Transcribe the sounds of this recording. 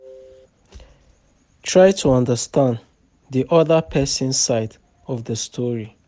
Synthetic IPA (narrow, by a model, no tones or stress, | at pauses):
tʰɹajtʰuʌ̃ndəstãnd | ðiʔɔðəpʰɛsĩnsaɪt | ɔvðəstʰɔɹi